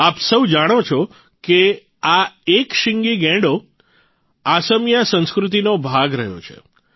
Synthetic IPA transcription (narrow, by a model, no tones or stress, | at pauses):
apsəwd͡ʒaɽ̃ot͡ʃʰo | ke | aekʃɪŋɡiɡɛ̃ɖo | asəmjasə̃nskɾut̪̬inobʱaɡɾəɦjo̰t͡ʃʰḛ